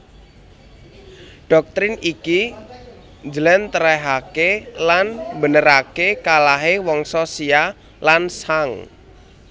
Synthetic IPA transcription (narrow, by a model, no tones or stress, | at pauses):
ɖ̥ɔk̚t̪ɾɪniki | nd͡ʒəlɛnt̪əɾɛɦakelanmbənəɾakekalaɦewɔŋsɔsia | lansaŋ